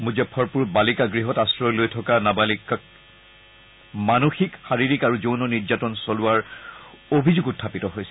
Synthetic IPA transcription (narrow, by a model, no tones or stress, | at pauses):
mud͡ʒɛpʰɔɹpuɹbalikaɡɹiɦɔtasɹɔjlojtʰɔkanabalikak̚ | manoxikxaɹiɹikaɹuzownɔniɹd͡ʒatɔnsolʊaɹ | obʱizuɡutʰːapitɔɦojsɛ